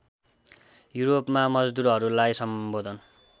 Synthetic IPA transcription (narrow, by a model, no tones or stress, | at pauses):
juɾopmamʌd͡zd̪uɾɦʌɾulajsʌmbod̪ʱʌn